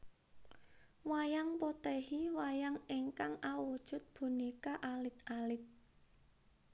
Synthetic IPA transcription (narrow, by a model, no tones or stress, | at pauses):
wajaŋpot̪ehiwajaŋeŋkaŋawud̥ʒ̥ʊ̤t̪̚b̥ṳnikaʔalɪt̪alɪt̪̚